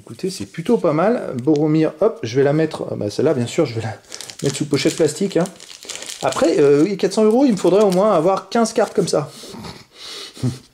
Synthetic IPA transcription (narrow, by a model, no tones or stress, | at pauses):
ekut̪esɛplyt̪opamalboʁomiʁɔp̚ʒəvɛlamɛt̪χba̰sɛlːabjɛ̃syʁʒəvɛlamɛt̪χsupɔʃɛt̪̚plast̪ikʲɛ̃ | apχɛøkat̪sɑ̃øʁoilməfod̪ʁɛomwɛ̃avwaʁkʲɛ̃zkʲaʁt̪kɔmsa